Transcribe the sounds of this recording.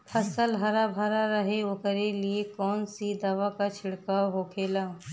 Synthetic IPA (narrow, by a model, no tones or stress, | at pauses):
pʰɐsəlɦɐɾabʱɐɾaɾɐɦeokəɾeliekɔːnsid̪aːʋakat͡ʃʰɪɽkaːɦokʰeːlaː